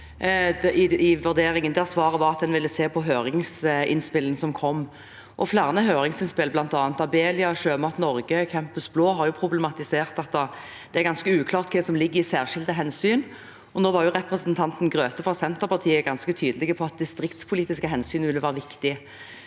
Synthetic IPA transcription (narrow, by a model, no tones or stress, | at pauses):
ɪɪʋʉd̪eːɾɪŋənd̪æʁsʋɑːʁəʋɑʁɑt̪̚d̪ɛnʋɪlːəseːpʰɔɦøːɾɪŋsɪ̰nspɪlənəsɔmkʰɔmː | ʔɔflæʁnəɦøːɾɪŋsɪnspɪlblɑnt̪ɑːnt̪ɑbeːlɪɑʃøːmɑt̪nɔɾɡəkʰɛmpəsbloːɦɑɾjʊpʰʁʊblɛmɑt̪ɪseːʁt̪ɑt̪̚d̪ɑ | d̪̥ɛæɾɡɑnskəʉːkʰlɑːʁt̪kʰɛd̪ɛsɔmlɪɡːəɾɪsæːʁʂɪld̪əɦɛnsyːn | ɔnoːʋɑʁjʊʁɛpʁɛsənt̪ʰɑnt̪n̩ɡʁøːt̪əfʁɑsɛnt̪əʁpɑʁt̪ʰiːəɡɑnskət̪ʰyːd̪əlɪɡəpʰɔɑt̪̚d̪ɪst̪ɾɪkt̪spʰʊliːt̪ɪskəɦɛnsyːnʋɪlːəʋæːʁəʋɪkt̪ɪ